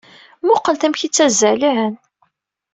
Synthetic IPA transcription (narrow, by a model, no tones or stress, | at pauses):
mʊqːəlt̪æmçit͡sːæzəliʕən